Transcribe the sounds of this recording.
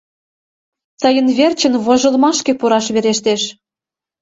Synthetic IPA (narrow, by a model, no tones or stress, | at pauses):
t̪ɤjə̆nβert͡ɕə̆nβoʒɤ̆lmɑʃkĕpuɾɑʃβeɾeʃt̪eʃ